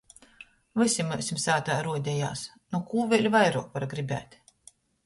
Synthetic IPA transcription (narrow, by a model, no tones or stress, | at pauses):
vɨsʲimɛsʲimsaːt̪aːɾuɔd̪ʲɛja̰ːs | nukuːvʲɛlʲvajɾuɔkvaɾɡɾibʲæ̰ːt̪ʲ